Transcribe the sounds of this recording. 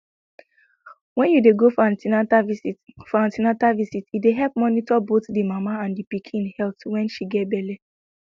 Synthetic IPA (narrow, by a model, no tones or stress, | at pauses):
wɛ̃njudeɡofãntina | fãntinatavisitideɦɛlp̚mɔnitɔbotdimamaãndipikʰĩnhɛltwɛ̃nʃiɡɛt̚bɛle